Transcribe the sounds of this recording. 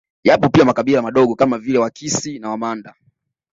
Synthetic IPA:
japɔpiamakaɓilamaɗɔɠɔkamavilɛwakisinawamanda

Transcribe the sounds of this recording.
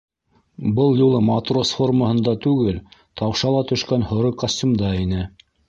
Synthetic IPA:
bɤlˠjulˠɤmɐt̪rosfo̞rməhɤ̆nd̪ɑt̪ʉɡɘlt̪ʰɑwʃɑlˠɑt̪ɵ̆ʃkænhŏɾɤkɐsʲtʲumd̪ɑinɘ

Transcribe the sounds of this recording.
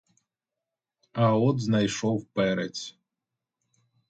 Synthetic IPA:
ɐɔd̪znajʂɔwpɛɾɛt͡sʲ

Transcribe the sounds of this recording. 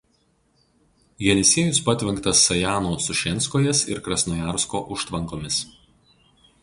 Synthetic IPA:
jʲɛnʲɪsʲiɛjʊspɐt̪ʲʋʲɪŋˑkt̪ɐsːɐjaːnosʊʃʲɛnʲˑskoːjɛsɪ̰ɾkɾɐsnojæːɾskoːʔʊʃt̪ʋɐŋˑkoːmʲɪs

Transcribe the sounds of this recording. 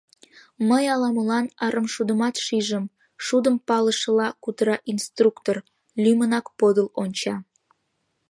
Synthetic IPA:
məjɑlɑməlɑnɑɾəmʃud̪əmɑt̪ʃiʒəm | ʃud̪əmpɑləʃəlɑkut̪əɾɑʔinst̪rukt̪or | lʲymənɑkpod̪əlonʲt͡ɕɑ

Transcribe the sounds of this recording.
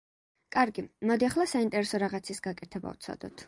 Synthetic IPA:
kʼaɾɡimɔd̪iaχlˠasaint̪ʼɛɾɛsɔɾaʁat̪sʰisɡakʼɛt̪ʰɛba̰v̥t̪sʰa̰d̪̥ɔ̰t̪ʰ

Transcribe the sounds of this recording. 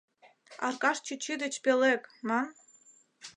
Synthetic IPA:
ɑ̰rkɑʃt͡ɕit͡ɕid̪ɘ̆t͡ɕpelekmɑn

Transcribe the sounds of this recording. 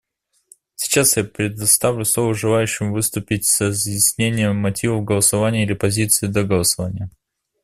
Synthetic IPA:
sʲɪ̥t͡ɕasjapɾʲɪd̪ɐst̪avlʲʊsˠovəʊʐɨlˠajʉɕːɪmvɨst̪ʊpʲɪtʲsrəzjɪsʲnʲenʲɪjəmmːɐtʲivəfɡəlˠəsɐvanʲɪjəilʲɪpɐzʲit̪sɨɪd̪əɡəlˠəsɐvanʲɪjə

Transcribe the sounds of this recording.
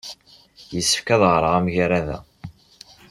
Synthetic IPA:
jəsːə̥fkæðʁɾˤəʁæmʝɾæðæ̰

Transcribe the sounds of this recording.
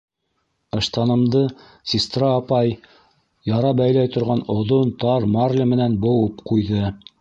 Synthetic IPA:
ɤ̆ʃt̪ɑnɤ̆md̪ɤ | sʲist̪raːpɑj | jɑɾɑbæjlæjt̪ŏɾʁɑnŏðont̪ɑɾmɑrlʲɘmɘ̆nænbŏwɤpqujðɤ

